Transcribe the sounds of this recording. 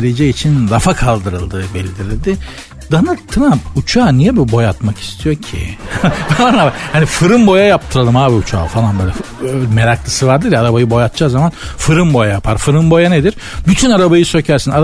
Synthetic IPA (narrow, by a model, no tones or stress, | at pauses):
ɾed͡ʒɛit͡ʃʰinɾafakʰalˠd̪ɯɾɯlˠd̪ɯbɛlʲd̪iɾilʲd̪ɪ | d̪̥anɯt̪ʰːɯɾamput͡ʃʰaːnijɛbibo̞jat̪maki̥st̪ʰijo̞ɾcʰḭvaanabahanifɯɾɯmbo̞jajap̚t̪ʰɯɾalˠɯmaːbiut͡ʃʰa̰ːfalˠanbøːlʲɛ | meɾaklˠɯsɯvaɾd̪ɯɾjaɾabajɯbo̞jat̪̚t͡ʃʰaːzamanfɯɾɯmbo̞jajapʰaɾfɯɾɯmbo̞janed̪iɾ̥byt̪ʰynaɾabajɯsø̞cʰæɾsina